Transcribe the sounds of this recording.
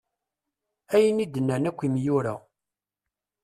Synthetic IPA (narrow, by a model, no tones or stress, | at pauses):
æjənid̪ənːænækʷːimjuɾæ̰